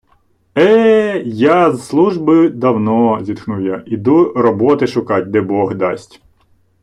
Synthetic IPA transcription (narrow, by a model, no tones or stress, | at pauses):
ɛjazslˠuʒbɪd̪ɐwnɔzʲit̪knuwjaʔid̪urɔbɔt̪ɪʃʊkɑt̚ʲd̪ɛbɔɣd̪ɑsʲtʲ